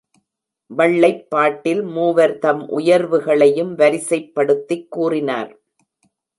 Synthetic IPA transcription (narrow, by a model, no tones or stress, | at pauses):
ʋɐɭːɐɪpːaːʈːɪlmuːʋɐɾt̪ɐmʔʊ̰jɐɾʋɯɣɐɭɐjɯmʋɐɾɪsɐɪpːɐɽɯt̪ːɪkːuːrɪna̰ːɾ